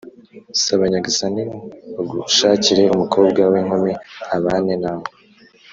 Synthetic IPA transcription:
saβaɲaɡisaniaɡuʃaːciɾeumukʰo̞ːbɡaweŋhomeaβaːnenaβo

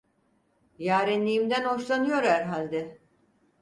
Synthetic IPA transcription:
jaːɾɛnlʲijimd̪ænho̞ʃlˠanɯjo̞ɾæɾɦalʲd̪ɛ

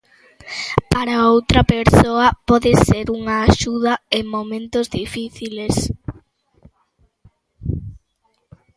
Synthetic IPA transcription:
paɾaowt̪ɾɐpeɾsoɐpɔðeseɾuŋɐːʃuðɐeŋmomẽnt̪ozðifiθiles

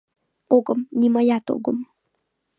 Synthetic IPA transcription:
oɡəmnimajat̪o̰ɡəm

